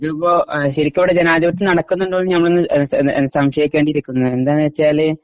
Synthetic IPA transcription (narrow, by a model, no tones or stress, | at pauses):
ɐðipːoːɕɐɾikʲːɐuɽed͡ʑenaːd̪iʋɐʈːɨnɐɽɐkːunːuɳɖɨonːɨɲɐmːɐɭonːɨsɐmʂɐjikʲːʋeɳɖiɾikʲːunːuend̪aːnɨʋet͡ɕːiaːlɨ